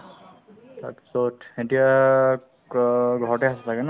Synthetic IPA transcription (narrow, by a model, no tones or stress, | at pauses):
ta̰psotetija | ɡʱɔɹɔtɛasɔtʰakɛna